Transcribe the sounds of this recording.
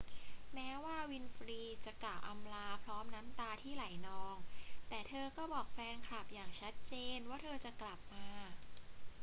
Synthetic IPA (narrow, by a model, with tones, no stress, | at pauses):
mɛː˦˥waː˥˩wi˧nfɾiː˧t͡ɕa˨˩klaː˨˩wʔa˧mlaː˧pʰlɔː˦˥mna˦˥mt̪aː˧t̪ʰiː˥˩la˨˩˦jnɔː˦˥ŋt̪ɛː˨˩t̪ʰɤː˧kɔː˥˩bɔː˨˩k̚fɛː˧ŋkʰlaː˨˩p̚jaː˨˩ŋt͡ɕʰa˦˥t̪̚t͡ɕeː˧nwaː˥˩t̪ʰɤː˧t͡ɕa˨˩ʔkla˨˩p̚maː˧